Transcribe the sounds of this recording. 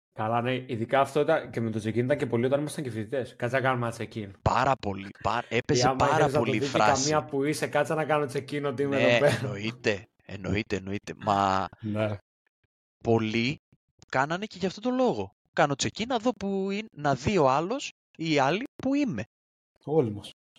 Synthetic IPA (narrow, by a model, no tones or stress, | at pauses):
kɐlɐneiðikɐːft̪oit̪ɐncemet̪o̞t͡secinit̪ɐŋcepo̞liot̪ɐnimɐst̪ɐɲɟefiðit̪e̞skɐt͡sɐkɐnomeɐt͡secinpɐɾɐpo̞lipɐepezzeɐpɐɾɐpo̞lifɾɐ̰sɐmiɐpuisekɐt͡sɐnɐkɐnot͡se̞cinot̪iimneet̪opeɾoit̪e̞ | eno̞̰it̪e̞ːno̞it̪e̞mɐ̰ne | po̞li | kɐnɐne̞ce̞ʝɐft̪o̞t̪o̞lo̞ɣo̞ | kɐno̞t͡secinɐðo̞puinnɐðio̞ɐlo̞s | iːɐlipuime̞ | olimɐs